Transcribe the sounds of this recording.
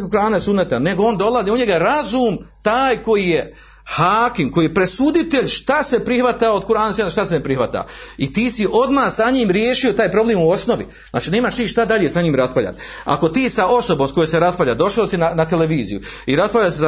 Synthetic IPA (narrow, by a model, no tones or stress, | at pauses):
kuɾaːnesud̪net̪ane̞ɡoo̞ːnd̪o̞laziuɲe̞ɡaɾazuːmt̪aːjko̞jije | haːkimko̞jiːjepɾe̞sud̪it̪eʎʃt̪ase̞pɾihʋat̪aːod̪̚kuɾaːnesunʃt̪asenepɾihʋat̪a̰it̪iːsiʔo̞d̪maːhsaɲiːmɾjeːʃio̞t̪aːjpɾo̞bleːmuo̞sno̞ʋḭna̰ːt͡ʃineːmaːʃt̪iːʃt̪ad̪aʎesaɲiːmɾaspaʎʲa̰t̪ | a̰ko̞t̪iːsaʔo̞so̞boːmskojoseɾaspavʎad̪o̞ʃaosinanat̪eleʋiːzḭjuiɾaspalʎase